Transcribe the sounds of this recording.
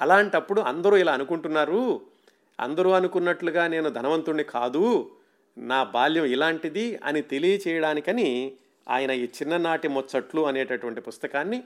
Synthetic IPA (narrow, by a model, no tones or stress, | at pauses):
ɐlaːɳʈɐpːuɽuɐ̰nd̪ɐɾuːilaːɐnukuɳʈunːaːɾu | ɐ̰nd̪ɐɾuːɐnukunːɐʈluɡaːne̞ːnud̪ʱɐnɐʋɐnt̪uɳːikʰaːd̪u | naːbaːljɐmilaːɳʈid̪iɐ̰nit̪e̞lijɐt͡ʃɛːjɐɽaːnikɐni | a̰ːjɐnɐiːt͡ʃinːɐnaːʈimɔt͡ʃːɐʈluɐneːʈɐʈuʋɐɳʈipust̪ɐkaːnːi